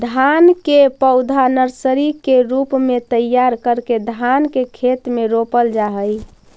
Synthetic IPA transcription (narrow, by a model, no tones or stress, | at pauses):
d̪ʱankepəʊd̪ʱanəɾsəɾikeɾupmet̪əjːaɾkəɾked̪ʱankekʰet̪meɾopəld͡ʒaɦəj